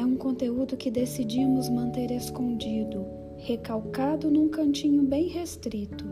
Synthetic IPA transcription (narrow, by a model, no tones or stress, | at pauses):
ɛũkõnt̪eud̪ʊkɪd̪esid͡ʒiɐmʊzmɐ̃nt̪eɾeskõnd͡ʒid̪ʊ | hekawkad̪ʊnũkɐ̃nt͡ʃĩɲʊbẽj̃hest̪ɾit̪ʊ